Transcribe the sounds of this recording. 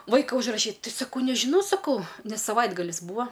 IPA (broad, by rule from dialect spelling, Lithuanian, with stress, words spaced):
ˈʋɐɪkɐ ʊʒrɐˈʃʲiːt ˈtʲɪ sɐˈkɐʊ nʲɛʒʲɪˈnɐʊ sɐˈkɐʊ ˈnʲɛs sɐˈʋɐɪdɡɐlʲɪs ˈbuːɐ